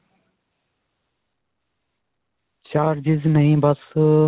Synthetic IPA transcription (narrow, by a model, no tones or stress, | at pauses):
t͡ɕaːɾd͡ʑiznɐɦĩːbɐs